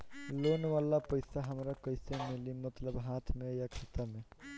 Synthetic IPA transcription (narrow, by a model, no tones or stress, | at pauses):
lonwalapəjsaɦəmɾakɔjsemilimət̪ləbɦat̪ʰmẽjakʰit̪ame